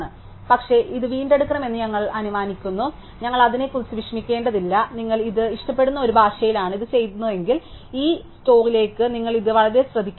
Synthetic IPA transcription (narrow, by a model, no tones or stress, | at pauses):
ɳɨ | pɐkʂe̞ʔiðɨʋiːɳɖe̞ɽukːɐɳɐme̞nːɨɲɐŋːɐɭɐnuʋaːnikʲːunːu | ɲɐŋːɐɭɐðine̞kːulsuʋikʂmikʲːe̞ːɳɖɐðilːɐniŋːɐɭiðɨiʂʈɐpːe̞ɽunːɐo̞ɾubʱaːʂɐjilaːɳɨiðɨt͡ɕe̞jt̪unːue̞ŋɡil | iːsto̞ːrile̞ːkːɨniŋːɐɭiðɨʋɐɭɐɾeɕrɐd̪ʱikʲːu